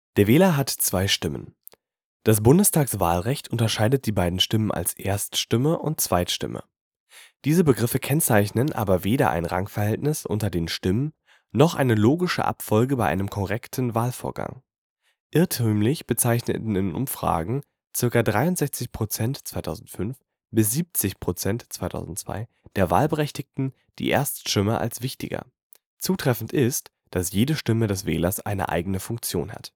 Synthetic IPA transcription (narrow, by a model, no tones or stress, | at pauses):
d̥eːɐveːlɐɦatt͡sv̥aɪʃtɪmə̰n | d̥as̬b̥ʊndəstʰaːksv̥a̰ːlʁɛçtʰʊntɐʃaɪdət̚d̥iːbaɪdn̩ʃtɪmənʔa̰lsʔeːɐstʃtɪməʔʊ̰nt̚t͡sv̥aɪtʃtɪ̰mə̰ | d̥iːzəbəɡʁɪfəkʰɛnt͡saɪçnənʔa̰ːbɐveːɾɐ̰ʔa̰ɪnʁa̰ŋfɛɐhɛltnɪsʔʊ̰ntɐdeːnʃtɪmən | nɔχʔa̰ɪnəloːɡɪʃə̰ʔa̰pfɔlɡəbaɪʔa̰ɪnəmkʰɔʁɛktʰn̩vaːlfoːɐɡa̰ŋ | ʔɪɐtʰyːmlɪçb̥ət͡saɪçnə̰tn̩ɪnʔʊ̰mfʁ̥a̰ːɡŋ̩ | t͡sɪɐkɐdʁaɪʊntz̥ɛçt͡sɪçpʁ̥ot͡sɛntt͡sv̥aɪtʰaʊzn̩tfʏnf | b̥ɪs̬z̥iːp̚t͡sɪçpʁ̥ot͡sɛntt͡svaɪtʰa̰ʊzn̩tt͡sv̥a̰ɪ | d̥eːɐva̰ːlbəʁɛçtɪk̚tn̩ | d̥ḭːʔḛːɐstʃɪməʔa̰lsv̥ɪçtɪ̰ɡɐ̰ | t͡suːtʁ̥ɛfn̩tʔɪst | d̥asjeːdəʃtɪmədɛsv̥ɛ̰ːlɐsʔa̰ɪnə̰ʔa̰ɪɡənəfʊŋk̚t͡sjo̰ːnha̰t